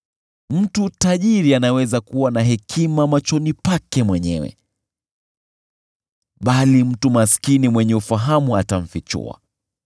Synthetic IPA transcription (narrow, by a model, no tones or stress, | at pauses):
m̩tutaʄiɾianawɛzakuwanaɦɛkʰimamat͡ʃɔnipakɛmwɛɲɛ̰wɛ̰ | ɓalim̩tumaskinimwɛɲɛufaɦamuataɱ̩fit͡ʃṵa̰